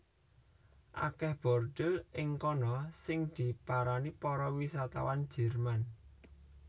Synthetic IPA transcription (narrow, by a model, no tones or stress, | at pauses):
ʔa̰kɛhb̥ɔ̤rɖ̪̥əlʔɪŋkɔnɔsɪŋd̪̥i̤paɾanipɔɾɔwisat̪a̰wan̥d͡ʒ̥ɛ̤rman